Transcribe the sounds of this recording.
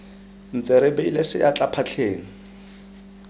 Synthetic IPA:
n̩t͡sʼɛɾɪbeilɛsɪ̰jat͡ɬʼapʰat͡ɬʰeːŋ̩

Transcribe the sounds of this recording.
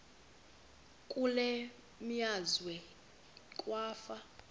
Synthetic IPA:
kʼulɛ | miazwɛ | kʼwaːfa

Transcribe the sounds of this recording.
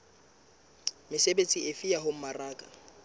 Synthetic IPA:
mɪsebet͡sʼiefijaɦom̩maraːkʼa

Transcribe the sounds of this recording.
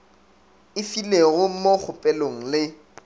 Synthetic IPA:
ɪfileɣʊmok͡xʰʊpʼɛloŋ̩lɪ

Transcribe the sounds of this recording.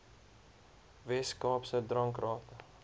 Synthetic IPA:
vɛskɑːpsədrɐŋkrɑːtə

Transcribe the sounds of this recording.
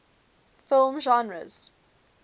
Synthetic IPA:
fɪlˠmʒɔ̃nɹə̰z̥

